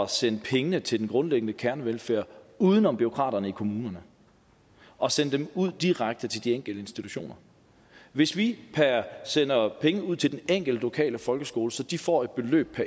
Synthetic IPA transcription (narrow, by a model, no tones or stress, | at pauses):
ɒsen̰pʰeŋənət͡sʰe̝ld̥en̩ɡ̥ʁɔ̽nleɡ̥̚n̩əkʰæɐnəʋelfæɐ̰uːð̞ˠənɒ̽mb̥yʁo̝kʰʁɑ̰̈ːdɐnəikʰo̝muːnɐnə | ɒ̽sen̰d̥emuð̞̰ˠd̥iʁäɡ̥̚d̥ət͡sʰeld̥ieŋ̰ɡ̥l̩d̥əe̝nsd̥it͡sʰuɕo̝̰ːnɐ | ʋe̝sʋipʰæsen̰ɐpʰeŋəuð̞̰ˠt͡sʰe̝ld̥eneŋ̰ɡ̥l̩d̥lo̝kʰɛ̰ːləfɒ̽lɡ̥əsɡ̥o̝ːləsɒ̽d̥ifɒ̰ːe̝d̥̚b̥e̝lø̰ːb̥̚pʰæ